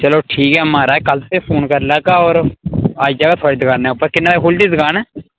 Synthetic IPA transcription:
t͡ʃəloːʈʰiːkɛːmaːɾaːɛkəlt̪eːpʰoːnkəɾlaːkaːɔːɾaːid͡ʒaːɡaːt̪ʰaːɽiːd̪əkaːnɛːʊpːəɾkɪnːaːɦoːlɖiːd̪kaːnɛː

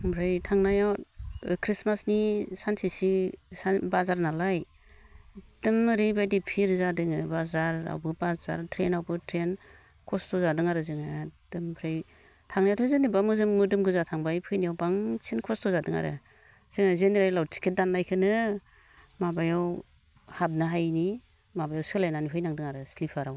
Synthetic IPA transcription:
pʰɾajtʰaŋnajawkʰɾismasnisansisisabazaɾnalaj | d̥ɯmɾibajdipʰiɾzadɯŋɯbazaɾa̰wbɯbaza̰ɾtʰɾenawbɯtʰɾen | kʰɔstʰɔzadɯŋaɾɯzɯŋad̥ɯmpʰɾaj | tʰaŋnijatʰɔzɯnibamɯzɯŋmɯdɯmɡɯzatʰaŋbajpʰɯjniawbaŋsʰenkʰɔstʰɔzadɯŋa̰ɾɯ̰ | z̥ɯŋazeniɾaɾlawtʰi̥kʰet̚danːajkʰɯnɯ | mabajaw | hab̚nɯɦajni | mabajawsɯlajnaniɦʰɯjnaŋdɯŋaɾɯslipʰaɾaw

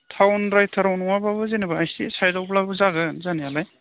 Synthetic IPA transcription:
tʰawnɾajtʰɐɾawnɔwabaβɯzenɐbaajsisajdawplabɯzaɡɯnzanijalaj

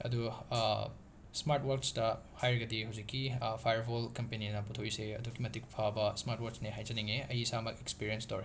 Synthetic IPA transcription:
ɐ̰du | smaɾtwɐɾkstɐ | hajɾɐɡɐdiɦɐwzikːipʰajɐɾbolkɐmpeninɐputʰoiseɐ̰dukimɐtik̚pʰabɐsmaɾtwaɾksneɦajd͡ʒɐniŋeɐjisamɐkekspiɾienstoɾ

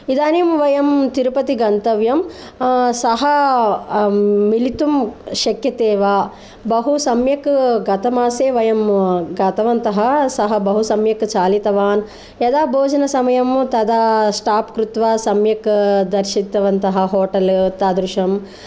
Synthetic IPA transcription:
id̪aːnimʋɐjɐmt̪iɾupɐt̪iɡɐnt̪ɐʋjɐm | sɐɦɐ | ilit̪umʃɐkjɐt̪eːʋaː | bɐɦusɐmjɐkɡɐt̪ɐmaːseːʋɐjɐmɡɐt̪ɐʋɐnt̪ɐɦɐsɐɦɐbɐɦusɐmjɐkt͡ʃaːlit̪ɐʋaːn | jɐd̪aːboːd͡ʒɐnɐsɐmɐjɐmt̪ɐd̪asʈaːpkɾut̪ʋaːsɐmjɐkd̪ɐɾʃit̪ːɐʋɐnt̪ɐɦɐ̆ɦoːʈɐlt̪aːd̪ɾuʃɐm

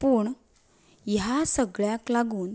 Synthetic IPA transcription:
puːɳ | jasəɡɭjaklaɡuːn

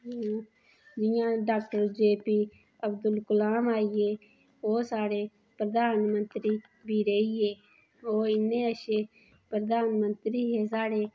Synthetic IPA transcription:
d͡ʒɪjãːɖaːk̚ʈəɾd͡ʒeːpiː | əbd̪ʊlkʊlaːmaːieː | oːsaːɽeː | pɾəd̪aːnmənt̪ɾiː | bʱiːɾeːiːeː | oːɪnːẽːəʃeː | pɾəd̪aːnmənt̪ɾiːɦeːsaːɽeː

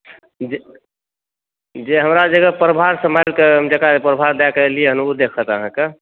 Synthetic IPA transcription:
d͡ʒe | d͡ʒeɦəmɾad͡ʒəɡəpɾəbʱaɾsəmalkeɦəmd͡ʒəkapɾəbʱaɾd̪akelieɦənud̪ekʰət̪əɦãke

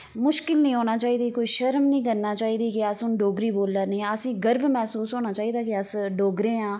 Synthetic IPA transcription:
mʊʃkɪlnĩːɦoːnaːt͡ʃaːiːd̪iːkoːiːʃəɾmnĩːkəɾnaːt͡ʃaːiːd̪iːkɪəsʊnɖoːɡɾiːboːlːəːɾnĩːəsĩːɡəɾbmɛːsuːsɦoːnaːt͡ʃaːiːd̪aːkɪəsɖoːɡɾeːãː

